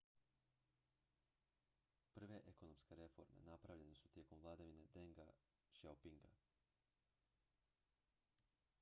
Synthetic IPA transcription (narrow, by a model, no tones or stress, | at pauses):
pr̩ʋe̞ʔekonomske̞ɾe̞fo̞̰ɾme̞̰napɾaʋʎe̞nesut̪je̞ːko̞mʋlˠad̪aʋine̞d̪eŋɡa | ʃawpiŋɡa̰